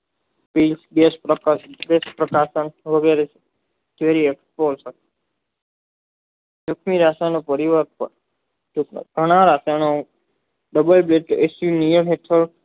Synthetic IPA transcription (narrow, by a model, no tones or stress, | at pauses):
pilsɡesɡespɾəkaʃənʋəɡeɾe | d͡ʒʋeɾiekspoɾsə | d͡ʒukʰmiɾaʃanopəɾiʋəɾpə̰ | ṵɡʱəɽ̃ãɾasano | ɖəbəlbleʈʔesjunijəmɦeʈʰəɾ